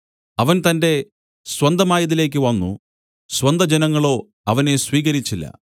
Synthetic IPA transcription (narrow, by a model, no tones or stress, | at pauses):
ɐʋɐnt̪ɐnde̞ | swɐnd̪ʱɐmaːjɐðile̞ːk̬ʲːɨʋɐnːṵ | swɐnd̪ʱɐd͡ʑenɐŋːɐɭo̞ː | ɐʋɐne̞sʋiːɣɐɾit͡ɕːilːɐ̰